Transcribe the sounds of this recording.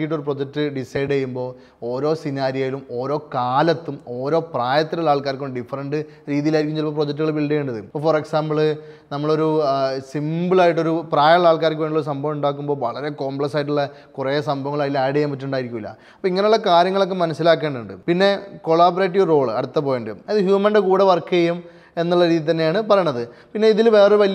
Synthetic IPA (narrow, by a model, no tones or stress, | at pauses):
iʈːoɾupro̞d͡ʑɐk̚tːɨɖisejɽejːumbo̞ː | o̞ːɾo̞ːsinaːɾijajilumo̞ːɾo̞ːkaːlɐt̪ːumo̞ːɾo̞ːpraːjɐt̪ːilɐlaːɭkaːɾkːoɳːɖifːɐrɐɳɖɨ | ɾiːðijilaːiɾikʲːumt͡ɕelpoːp̬ro̞d͡ʑɐk̚t̬ːuɣɐɭmbilɭɖejuɳɖɐðɨpːɐforeksaːmbɐɭ | nɐmːɐɭo̞ɾusimbɨɭaːjiʈːo̞ɾupraːjɐɭaːɭkaːɾk̬ʲːuʋeɳɖiɭoɾus̬ɐmbʱɐʋuɳɖaːk̬ːumbo̞ːʋɐɭɐɾe̞ko̞ːmbɭeksaːjiʈ̬ːuɭːɐkureɐsɐmbʱɐʋɐŋːɐɭaːjilːɐaːɽejaːmpɐtːuɳɖaːjiɾikʲːumilːɐ̰ | ɐpːoiŋːɐneuɭːɐkaːɾjɐŋːɐɭo̞kːe̞mɐnɐsːilaːkːeːɳɖuɳɖɨ̰pinːe̞ko̞ɭaːbɐɾeːʈ̬ːiʋro̞ːɭɐ̰ɽut̪ːɐp̬oːjeːɳɖɐmɐðɨɦjuːmɐnɖekuːɽeʋɐrkːɐjɐjum | e̞nːuɭːɐɾiːðjit̪ɐnːe̞jaːɳɨpɐrɐjɳːɐðɨpinːe̞iðilʋe̞ːreʋɐli